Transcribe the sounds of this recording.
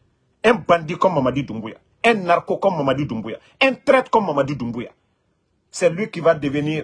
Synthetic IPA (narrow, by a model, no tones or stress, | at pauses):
ɛ̃mbãndikɔ̃mːamadidũmbuja̰ | ɛ̃naɾkokɔ̃mmːamadidũmbuja̰ | ɛ̃ntɾɛtkɔ̃mːamadidũmbuja̰ | sɛlwikivadeveniːɾ